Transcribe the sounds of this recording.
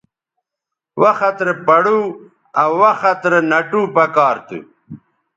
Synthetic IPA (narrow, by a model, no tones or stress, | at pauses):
wɐxɐt̪ɾepɐɽu | ɐwwɐxɐt̪ɾenɐʈuːpɐkaːɾt̪ṵ